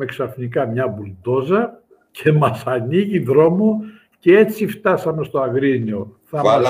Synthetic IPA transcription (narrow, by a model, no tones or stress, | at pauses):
eksɐfnikɐmɲɐbuld̪o̞zɐ | cʰe̞mɐsɐniʝiðɾo̞mo | cee̞t͡sift̪ɐsɐme̞st̪o̞ɐɣɾinio̞θɐɐ